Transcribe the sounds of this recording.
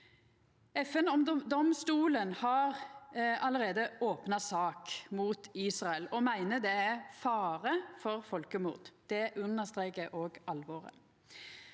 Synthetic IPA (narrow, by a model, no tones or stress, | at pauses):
ɛfɛnɔmd̪ɔmst̪uːlənhɑʁɑləʁeːd̪əoːpnɑsɑːkmuːt̪iːsʁɑɛlɔmæɪnəd̪ɛæfɑːʁəfɔʁfɔlkəmʊ̰ːʁd̪d̪̥ɛʔʉnːəʁst̪ʁeːkəʔoːɡɑlʋoːʁə̰